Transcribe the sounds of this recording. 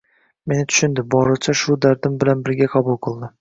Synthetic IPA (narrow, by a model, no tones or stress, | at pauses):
me̞nɪt̪ʰʊ̥ʃɪnd̪ɪbɒɾɨt͡ʃʰaʃʊd̪aɾd̪ɪmbɪlanbɪɾɡʲaqʰɑbʊlˠqʰɨlˠd̪ɪ